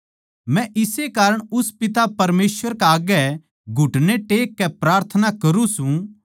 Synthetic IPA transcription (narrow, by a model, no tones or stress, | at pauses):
mɛ̃ʔɪsekaːɾəɽ̃ʊspɪt̪̬apɐɾmeːsʋəɾkaaːɡɛ | ɡʱʊʈneʈeːkːɛpɾaːɾt̪ʰənakɐɾũsũ